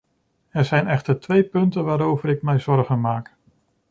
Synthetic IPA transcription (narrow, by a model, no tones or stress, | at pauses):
ɛɹzɛjnɛχtəɹtʋejpɵntənʋaːɾowvəɾɪk̚mɛjzɔɹχənmaːk